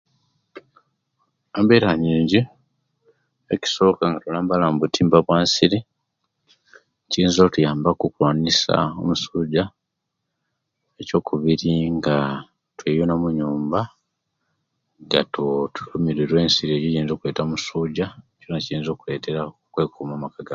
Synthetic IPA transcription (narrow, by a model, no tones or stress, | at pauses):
ambeːɾaɲiːɲɟi | eci̥so̞ːkaŋɡatulaːmbalamubutʰiːmbaβwaːnsiɾi | ciiːnzoːtujaːmbakukwaːnisa̰o̰musuːɟa | eco̞ːkʰuβiɾiŋɡa | twejunamuɲuːmba | ɡa̰tutu̥lumiɾiɾwe̞ːnsiɾieɟijiːnzo̞ːkule̞ːtaomusuːɟaconacijiːnzo̞ːkule̞ːtʰe̞ɾakwe̞ːkʰumaːmakaɡa